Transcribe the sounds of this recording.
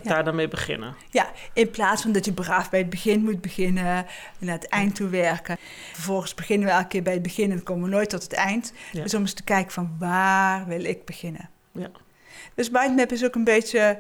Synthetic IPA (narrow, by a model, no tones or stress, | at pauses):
daːɹdamejbəχɪ̰nə | jaɪnplaːtsfɑndɑtjəbraːfbɛjəd̚bəɣɪnmut̚bəɣɪnə | naːətɛjntːuʋɛɹkə | fəɹvɔlˠɣənsb̥əɣɪnənʋəɛlˠkəkɪːɹbɛjəd̚bəɣɪnɛnkoːməʋənoːjtːɔtɦətɛjntsɔməstə̥kɛjkəv̥ɑnʋaːrʋɪlˠɪɡ̚bəɣɪnə̰ | d̥øsmajdnɛpɪs̬okənbejtə